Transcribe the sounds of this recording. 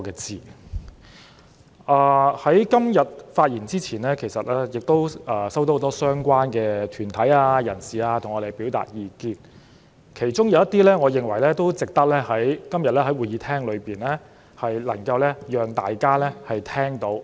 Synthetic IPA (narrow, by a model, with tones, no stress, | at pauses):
ɔ˧kɛː˧t͡siː˨ | ʔaː˧˩hɐ˨˥jkɐ˥mjɐ˨t̚faː˧t̚jiː˨˩nt͡siː˥t͡sʰiː˨˩nɛː˥kʰe˨˩jsɐ˨t̚lɛː˥jɪ˨k̚t̪o˥wʔɐː˧sɐ˥wt̪o˧˥ho˨˧˥t̪ɔ˥sœː˥ŋkʷaː˥nkɛː˧t̪ʰyː˨˩nt̪ʰɐ˨˥jaː˧jɐ˨˩nsiː˨aː˧t̪ʰŋɔː˨˧ɾe˨˩jpi˨˥wt̪a̰ː˨t̚jiː˨˧kiː˧n | kʰe˨˩jt͡sʊ˥ŋjɐ˨wjɐ˥t̪iː˥lɛː˥ŋɔː˨˧jɪ˨ŋwɐ˨˩jlɛː˥t̪o˥wt͡sɪ˨k̚t̪ɐ˥k̚lɛː˥hɐ˨˥jkɐ˥mjɐ˨t̚lɛː˥ɦɐ˨˥jwuː˨jiː˨˧t̪ʰɛː˥ŋlɵ˨˧ɥpiː˨nlɛː˥ | hɐ˨jlɐ˨˩ŋkɐ˧wlɛː˥jœː˨ŋt̪aː˨jkaː˥lɛː˥hɐ˨jt̪ʰɛː˥ŋt̪o˨˧˥w